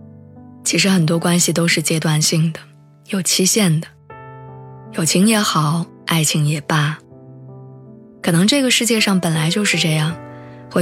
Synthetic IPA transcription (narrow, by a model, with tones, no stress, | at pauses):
t͡ɕʰi˧˥ʂɻ̩˧˥xə˨˩nt̪̬wɔ˥kwa˥nɕi˨t̪o˥ʊʂɻ̩˥˩t͡ɕjɛ˥t̪wa˥˧nɕi˥˩ŋd̪ə˩ | jo˨˩ʊt͡ɕʰi˥ɕjɛ˥˩nd̪ə˩ | jo˨˩ʊt͡ɕʰi˧˥ŋjɛ˧˥xɑ˨˩˦ʊ | a˥˩ɪt͡ɕʰi˧˥ŋjɛ˨˩pa˥˩ | kʰɤ˨˩nɤ˧˥ŋʈ͡ʂɤ˥˩ɡə˩ʂɻ̩˥˧t͡ɕjɛ˥˧ʂɑ˥˩ŋpə˨˩nla˧˥ɪt͡ɕjo˥˧ʊʂɻ̩˥˧ʈ͡ʂɤ˥˧jɑ˥˩ŋxwe˥˩